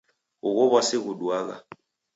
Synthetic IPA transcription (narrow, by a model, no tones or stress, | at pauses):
ɣuɣɔβasɪɣuɗwaːɣ̬a̰